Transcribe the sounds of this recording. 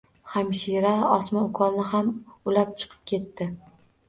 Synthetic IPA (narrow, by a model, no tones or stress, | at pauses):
hamʃiɾaɒsmaʊkʰɒlnɪɦamʊlap̚t͡ʃʰɨ̥qʰɨ̥p̚kʲʰe̞t̪ːɪ